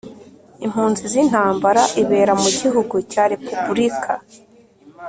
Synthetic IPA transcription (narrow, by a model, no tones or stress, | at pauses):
im̥huːnzizin̥haːmbaɾaʔiβe̞ːɾamuɟiɦuɡucaːɾe̞pubuɾikʰa